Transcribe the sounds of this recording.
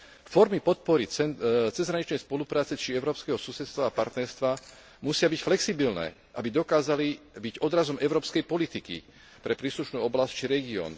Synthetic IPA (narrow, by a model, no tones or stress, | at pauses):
fɔɾmipɔt̪̚pɔɾiɛt͡sɛzɦɾaɲit͡ʃnɛjspɔlupɾaːt͡sɛt͡ʃiɛʊɾɔːpskɛɦɔsusɛt̪st̪ʋaːpaɾt̪nɛɾst̪ʋa | musɪabicflɛksibilnɛ̰ː | ʔabid̪ɔkaːzalibiɟɔd̪ɾazɔmʔɛʊɾɔːpskɛjpɔlit̪ikḭ | pɾɛpɾiːsluʃnuːɔblasct͡ʃiɾɛɡiɔ̰ːn